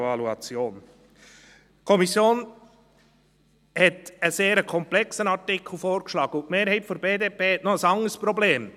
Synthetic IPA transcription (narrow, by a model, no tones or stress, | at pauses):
vɑluɑt͡sjoːn | kʰɔmisjoːn | hɛt̪əseːɾəkʰɔmplɛksənɑɾtɪkʰl̩ˠfoːɾkʃlɑːɡəʊtmeːɾhɛɪpfɔɾbeːdeːpʰeːɛtnɔəsɑŋəspɾɔbleːm